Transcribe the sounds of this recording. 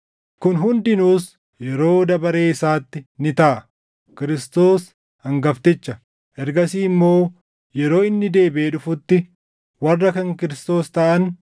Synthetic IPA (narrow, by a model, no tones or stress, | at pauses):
kʊnɦʊnd̪ɪnuːs | jɛɾo̞ːd̪ɐbɐɾe̞ːɪsaːt̪ːɪnɪt̪aːʔɐ | kɪɾɪst̪o̞ːs | ɐŋɡɐft̪ɪt͡ʃːɐ | ʔɛɾɡɐsiːmːo̞ː | jɛɾo̞ːɪnːɪd̪e̞ːbeːᶑʊfʊt̪ːɪ | wɐrːɐkɐŋkɪɾɪst̪o̞ːst̪ɐʔɐn